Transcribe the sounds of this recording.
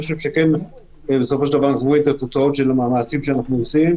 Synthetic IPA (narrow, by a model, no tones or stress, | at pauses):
ixoʃevʃeken | beso̞foʃed̪avaʁnaχvuet̪at̪ot͡saot̪ʃelamaːmasimʃeanaχnuosim